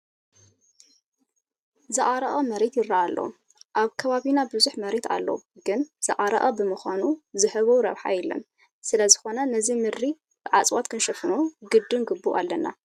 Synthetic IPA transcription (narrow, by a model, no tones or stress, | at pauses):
zɨʔʼaɾɐʔʼɐmɐɾet̪jɪɾːaʔalːɐ̰ | ʔaβkʰɐβaβinabɨzuħmɐɾet̪ʰa̰lːɐ̰wɡɨnz̥ɨ̰ʔʼaɾɐ̰ʔʼɐbɨmɨxʷanuzɨħɨβowɾɐβħa̰jɛlɐ̰n | sɨlɐzɨxo̞nɐnɐzimɨɾi | b̥ɨʕat͡sʼwat̪kʰɨnʃɐfɨnuɡɨd̪ːɨnɡɨbːuʔa̰lːɐnːa̰